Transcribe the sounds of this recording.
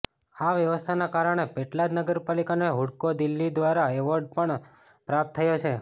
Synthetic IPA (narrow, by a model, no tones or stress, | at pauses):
aʋjəʋəst̪ʰanakaɾəɽ̃epeʈlad͡ʒnəɡəɾpalikaneɦuɽkod̪ilːid̪ʋaɾaeʋəɾɖ̚pəɳ | pɾap̚t̪ʰːəjot͡ʃʰe